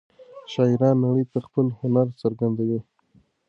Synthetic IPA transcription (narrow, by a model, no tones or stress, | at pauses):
ʃɑjɪɾɑnːaɽəjp̪əxpəlhʊnaɾt͡səɾɡand̪awi